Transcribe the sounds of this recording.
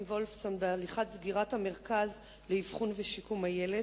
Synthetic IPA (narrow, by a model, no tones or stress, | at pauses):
mvolfso̞nbealiχatzɡiʁathame̞ʁkaz | leivχunveʃikumajele